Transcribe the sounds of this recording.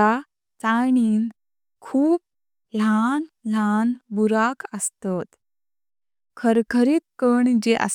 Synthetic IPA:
a | t͡saɳ̃iːn | kʰuːp̚ | lanlanbuɾakʰəst̪at̪ | kʰəɾkʰəɾiːt̪̚kəɳd͡ʑeʔə̰s

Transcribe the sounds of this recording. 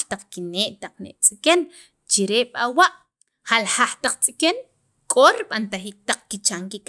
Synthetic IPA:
t̪aq͡χkineːʔt̪aq͡χnḛʔt͡sʼiken | t͡ʃiɾeɓ̥awaʔ | halhaχt̪aq͡χt͡sʼiken | kʼoɾiɓant̪aχiːk̚t̪aq͡χkit͡ʃaŋkik

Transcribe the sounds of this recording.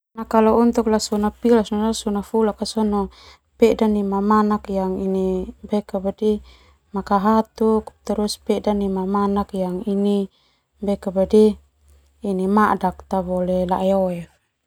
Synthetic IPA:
nakalɔɔnt̪ɔklasɔnapilasnalasɔnafulakasɔnɔ | pɛdanimamanakjaŋinibɛkabadi | makaɦat̪ukt̪ɔɾuspɛdanimamanakjaŋini | bɛkabadiː | nimadak̚t̪abɔlɛlaʔɛɔɛ

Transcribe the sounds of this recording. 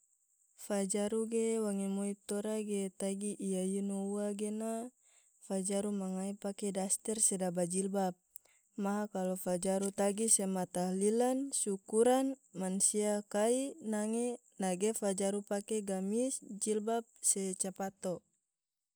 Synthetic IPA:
fad͡ʒaɾuɡewaŋɛmɔip̚t̪ɔɾaɡet̪aɡiʔijajunouaɡena | fad͡ʒaɾumaŋaipakɛdast̪ɛrsɛdabad͡ʒilbap̚ | maɦakalɔfad͡ʒaɾut̪aɡisɛmat̪ahlilansukuɾanmansiakainaŋɛ | naɡefad͡ʒaɾupakeɡamisd͡ʒilbap̚sɛt͡ʃapat̪ɔ

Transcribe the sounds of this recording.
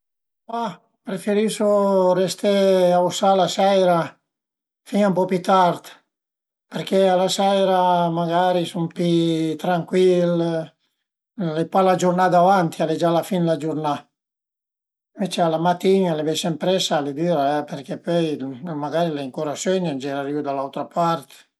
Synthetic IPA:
a | pɾefeɾisorest̪eausalasɛjɾa | finaumpɔpjut̪art̪ | peɾkealasɛjɾamaɡaːɾisompit̪ɾaŋkwil | lepalad͡ʒuɾnad̪avant̪ialed͡ʒalafinlad͡ʒuɾna | vet͡ʃealamat̪ːinalevɛsɛmpɾɛsaled̪yːɾaɛperkepɔjmaɡaɾileiŋkuːɾasønand͡ʒɛɾaɾiud̪alːawt̪ɾapart̪

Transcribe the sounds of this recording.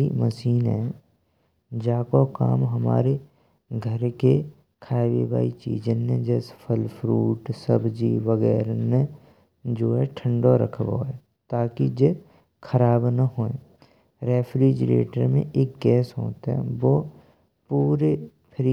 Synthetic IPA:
iməsiːnɦɛː | d͡ʒaːkoka̰ːmɦəma̰ːɾe | ɡʱəɾke | kʰaːʋḛba̰ːit͡ʃḭːd͡ʒenẽd͡ʒɛːspʰəlpʰɾuːʈsəbʱd͡ʒiʋəɣɛ̰ːɾne | d͡ʒoːɦɛʈʰə̃ɳɖoɾə̰kʰbo̰ɦɛː | t̪aːkid͡ʒe | kʰəɾaːbnəɦoːẽ | ɾeːfʰɾiːd͡ʒɾḛːʈə̰ɾmḛ̃ʔeːk̚ɡɛːsɦo̰ːt̪aɦɛ̰̃ʋoː | puːɾe | pʰɾi

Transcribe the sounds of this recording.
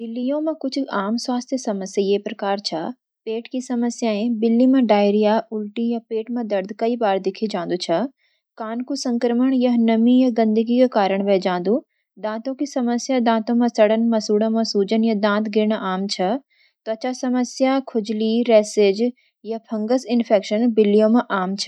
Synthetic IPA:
bɪlːijõmɐ̃kʊt͡ʃʰaːmswaːst̪ʰjəsɐməsjajeːpɾɐkaːɾt͡ʃʰɐ | peːʈkisɐməsjaːẽbɪlːimɐ̃ɖaːɪɾijaʔʊlʈijɐpeːʈmɐ̃d̪ɐɾd̪ʱkɐibaːɾd̪ɪkʰid͡ʒãːnd̪ut͡ʃʰɐ | kaːnkusɐ̃ŋkɾəməɽ̃jɐɦnɐmijɐɡɐ̃nd̪əɡikekaːɾəɽ̃ʋɛːd͡ʒãːnd̪u | d̪ãːt̪õkisɐməsjad̪ãːt̪õmɐ̃sɐɽənmɐ̃suːɽə̃mɐ̃suːd͡ʒənjɐd̪ãːt̪ɡɪɾɳ̃ʔaːmt͡ʃʰɐ | t̪oɐt͡ʃasɐməsjakʰʊd͡ʒliɾɛːseːd͡ʒ | jɐpʰɐ̃ŋɡəsɪnpʰeːkʃənbɪlːijõmɐ̃ʔaːmt͡ʃʰɐ̥

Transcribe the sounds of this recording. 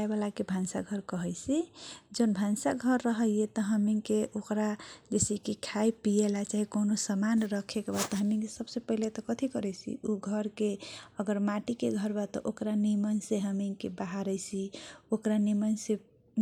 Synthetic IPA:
ebalakebʱansa̰ɡʱəɾkəɦəjt͡ʃʰid͡ʒonbʱansaɡʱəɾːəɦəjet̪ɔɦəmiŋkeʔokɾad͡ʒesikikʰaipielat͡ʃaɦikonosəmanɾəkʰekbat̪ɔɦəmiŋkesəbsepəɦilet̪ɔkət̪ʰikəɾɛt͡ʃʰḭuɡʱəɾkeəɡəɾmaʈikeɡʱəɾbat̪ɔ̰ʔokɾanimənseɦəmiŋkebaɦaɾəjt͡ʃʰiokɾanimənse

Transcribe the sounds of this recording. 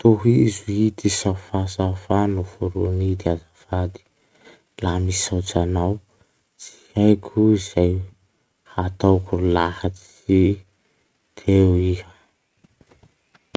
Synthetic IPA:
t̪oɦizuit̪isafasafanufuɾunid̪iazafad̪i̥ | lamisawt͡sanaw | t͡si̥hajkʲʰuiz̥aj | hat̪awkullahat͡s | i | t̪ʰewihə

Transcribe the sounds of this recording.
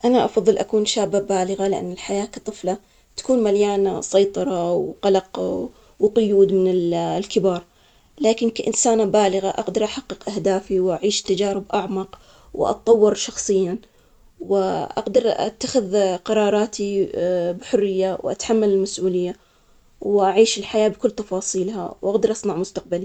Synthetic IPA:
ʔanaʔɑfɑðˤːɨlʔakuːnʃaːbːabaːlɪɣalɪʔa̰nːɪlħajaːkɑ̥t̪ˤɨfla | t̪ḁkuːnmaljaːnasˤɑjt̪ˤɑɾˤɑwqɑlɑq | wqʊjuːd̪mɪnɪllkɪbɑːɾˤ | laːkɪnkaʔɪnsaːnabaːlɪɣaʔɑqd̪ɑɾˤʔaħɑqːɨqʔahd̪aːfiwʔaʕiːʃt̪ːad͡ʒaːɾɪbʔaʕmɑq | w̰ʔɑ̰t̪̚t̪ˤːɑwːɪɾʃɑxsˤɨjːa | wɪʔaɡd̪ɑɾˤʔa̰t̪ːaxɪðqɑɾˤɑːɾˤɑːt̪ibħʊrːɪjːawʔa̰t̪ħamːalɪlmasʔuːlɪjːa | wʔaʕiːʃɪlħajaːbkʊlːt̪ɑfɑːsˤiːlha̰wʔaɡd̪ɑɾˤʔɑsˤnɑʕmʊst̪aq̚bali

